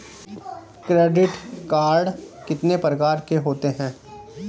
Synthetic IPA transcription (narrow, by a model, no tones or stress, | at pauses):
kɾeːɖɪʈkaːɾɖ | kɪt̪nepɾəkaːɾkeɦoːt̪eɦɛ̃ː